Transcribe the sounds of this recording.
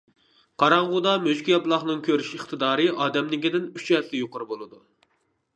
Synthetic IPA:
qʰɑɾɑɴʁʊd̪ɑmøʃkʲijɑplˠɑχnɨŋkʲʰøɾyʃəχt̪ʰɨd̪ɑːɾɨʔɑːd̪ɛmd̪ɪkʲid̪ɪnyt͡ʃɛt̪ʰlɪjoqʊɾbolˠɨd̪u

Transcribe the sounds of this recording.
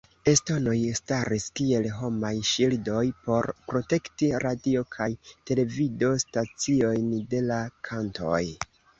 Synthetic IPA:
e̞sto̞no̞jstaɾiskie̞lɦo̞majʃildo̞jpo̞ɾpɾo̞te̞ktiɾadio̞kʰajte̞le̞vido̞stat͡sio̞jnde̞lakʰanto̞̰j

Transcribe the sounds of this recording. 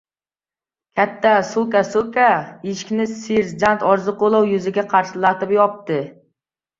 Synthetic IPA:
kʲʰɛt̪ʰːɛsukasukʲaeʃkʲnɪsiɾd͡ʒant̪ɒɾzɨqolˠɑwjyzɪɡʲɛqʰɑɾʃɪlˠɑt̪ɨpjɒp̚t̪ɨ

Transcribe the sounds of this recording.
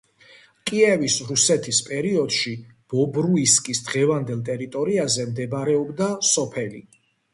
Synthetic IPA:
kʼiɛvisɾusɛt̪ʰispʼɛɾiɔd̪̥ʃi | b̥ɔbɾuiskʼisd̪ʁɛvand̪ɛlˠt̪ʼɛɾit̪ʼɔɾiazɛmd̪ɛbɾɛɔbd̪asɔpʰɛlḭ

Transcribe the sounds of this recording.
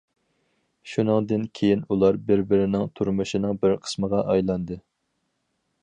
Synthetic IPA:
ʃunɨŋd̪ɨnkʲʰejinulˠɑɾbɪɾbɪɾɪnɪŋt̪ʰuɾmɨʃinɨŋbɪɾqʰə̥sməʁɑʔɑjlˠɑnd̪ɨ

